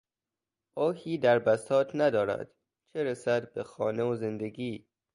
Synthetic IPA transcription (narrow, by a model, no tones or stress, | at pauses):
ɒːhiːd̪æɾbæst̪ʰɒːt̪ʰnæd̪ɒːɾæ̰d̪̥ | t͡ʃʰeɾesæd̪bexɒːneoze̞nd̪e̞ɡiː